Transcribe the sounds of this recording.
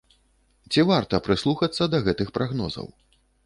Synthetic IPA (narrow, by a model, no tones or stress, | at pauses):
t͡sʲivart̪ɐpɾɨslˠuxɐt̪sːɐd̪ɐɣɛt̪ɨxpɾʔaɣnɔzɐ̰w